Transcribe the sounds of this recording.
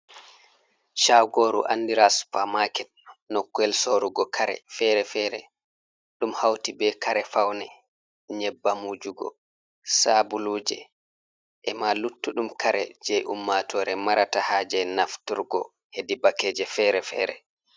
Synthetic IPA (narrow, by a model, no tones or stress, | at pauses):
ʃawɡoːɾṵʔa̰ndiɾaspamakɛnnɔkːɛlsoɾuɡɔkʰaɾɛ̰fɛɾɛfɛɾɛ̰ | ɗumhawtibɛkʰaɾɛfawnɛ | ɲɛbːamud͡ʒuɡɔ̰ | sabuluːd͡ʒɛ̰ | ʔɛmalutːuɗumkʰaɾɛ̰d͡ʒɛjʔumːatʰɔːɾɛmaɾatahaːd͡ʒɛnaftuɾɡɔ̰ | hedibakɛːd͡ʒɛfɛɾɛfɛ̰ɾɛ̰